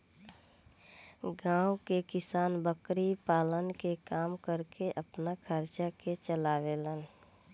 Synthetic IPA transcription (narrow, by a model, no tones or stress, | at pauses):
ɡãːwkekɪsaːnbəkɾipaːlənkekaːmkəɾkeʔəpnakʰəɾt͡ʃaket͡ʃəlaːʋeːlən